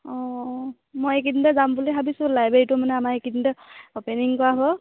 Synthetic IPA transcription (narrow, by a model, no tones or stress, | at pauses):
ɔ̃ | mojek̬itindɛzambuliɦabisʊ̃lajbeɹitʊmanɛamaekidindɛopeniŋkɔɹabɔ